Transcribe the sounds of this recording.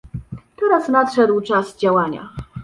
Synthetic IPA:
t̪ɛɾasnatʂɛd̪wt͡ʂasd͡ʑawaɲa̰

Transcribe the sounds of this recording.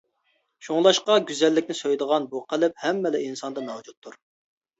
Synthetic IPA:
ʃoŋlˠɑʃqɑɡʲyzɛlːɪkʲnɪsøjd̪əʁɑnbuqʰəlˠɪp̚hɛmːɛlɪinsɑnd̪ɑnɑwd͡ʒut̪ʰːuɾ

